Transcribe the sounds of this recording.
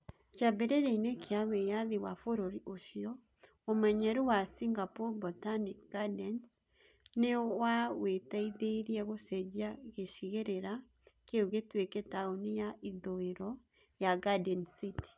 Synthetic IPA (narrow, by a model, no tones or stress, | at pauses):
t͡ʃjabeɾeɾeinekʰeawejaðiwafoɾoɾiʔoʃjɔ | omaɲɛɾuwasiŋɡapobotanikɡadɛns | newawetaiðeɾiɛɣosɛd͡ʒaɣeʃiɣeɾeɾa | keuɣetwekɛtaonijaʔiðoeɾɔ | jaɡadɛnsiti̥